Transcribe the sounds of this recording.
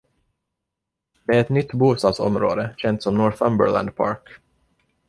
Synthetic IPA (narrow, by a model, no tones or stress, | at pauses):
d̪̥ɛæɾɛt̪nʏt̪ːbuːst̪ɑːd̪sɔ̰mɾo̰ːd̪əɕɛnt̪sɔmnɔɾθœmbə̰ɹlæ̰nd̪pʰɑ̰ːɾk